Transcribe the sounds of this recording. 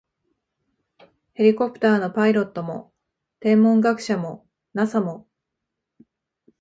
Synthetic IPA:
he̞ɾʲiko̞pɯ̟̥t̪aːno̞paiɾo̞t̪ːo̞mo̞̰ | t̪ẽ̞mːõ̞ŋɡakɯ̟̥ɕamo̞ | nasamo̞

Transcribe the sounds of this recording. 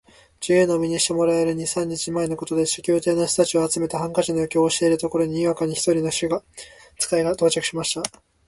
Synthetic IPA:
d͡ʑɨjɯnomʲiɲ̟iɕi̥t̪e̞mo̞ɾaeɾɯ̟ɲ̟isãɲ̟ːit͡ɕimae̞no̞ko̞t̪od̪e̞ɕḁkʲoːt̪e̞ːnoɕt̪ot̪at͡ɕioat͡sɨme̞t̪eɦãŋkaʑinojokʲeoːɕieɾɯ̟t̪o̞ko̞ɾo̞ɲ̟iiβakaɲ̟içi̥t̪o̞ɾʲino̞ɕɨɡa | t͡sɨ̥kaiɡat̪o̞ːt͡ɕakɯ̟̥ɕimaɕi̥t̪a

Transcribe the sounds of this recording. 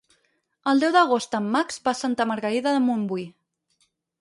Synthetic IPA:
əlˠd̪ɛwðəɣ̞ost̪əmːakszbasant̪əməɾɣəɾiðəðəmumbuj

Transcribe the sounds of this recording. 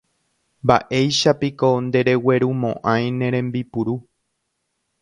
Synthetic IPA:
mba̰ʔe̞jʃapiko̞nd̪e̞ɾe̞we̞ɾumõ̰ʔãj̃nẽ̞ɾẽ̞mbipuɾu

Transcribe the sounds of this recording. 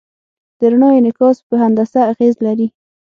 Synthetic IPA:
d̪̥əɾaɳɑjonɪkɑspəɦand̪asaːɣezlaɾi

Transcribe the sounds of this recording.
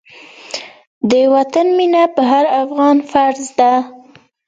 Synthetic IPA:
d̪əwat̪anminapəɦaɾafɣɑnfaɾzd̪a

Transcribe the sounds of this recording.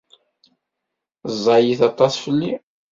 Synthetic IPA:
zˤːɑjiθɑt̪ˤɑsˤfəlːi

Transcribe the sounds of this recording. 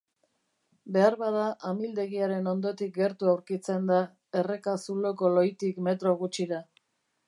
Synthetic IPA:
be̞aɾβað̞aʔamild̪e̞ɣiaɾe̞no̞nd̪o̞t̪ik̚ɡe̞ɾt̪uawɾkit͡se̞nd̪a | ere̞kasulo̞ko̞lo̞jt̪ikme̞t̪ɾo̞ɣut͡ʃiɾa

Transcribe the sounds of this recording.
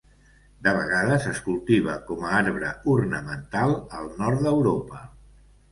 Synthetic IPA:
d̪əβ̞əɣaðəsəskulˠt̪iβ̞əkɔmaaɾβɾəurnəmənt̪alˠəlˠnɔrt̪d̪əwɾopə

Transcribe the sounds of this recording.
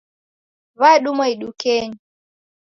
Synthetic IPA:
βaɛɗumaiɗukɛɲi

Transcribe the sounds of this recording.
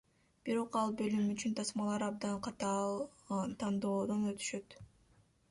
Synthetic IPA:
b̥iɾo̞qɑlˠbø̞lymyt͡ʃynt̪ʰɑsmɑlˠɑɾɑb̚d̪ɑnqʰɑt̪ɑlt̪ʰɑnd̪o̞ːd̪onø̞t̪ʰy̥ʃø̞t̪

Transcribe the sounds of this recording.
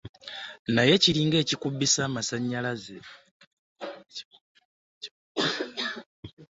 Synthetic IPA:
naje̞ciliːŋɡe̞ːcikubːisaːmasaɲːalaze

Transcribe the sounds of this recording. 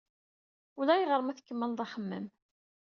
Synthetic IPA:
ulæjʁəɾˤəmæθəkːəmːəlðˤɑχəmːə̰m

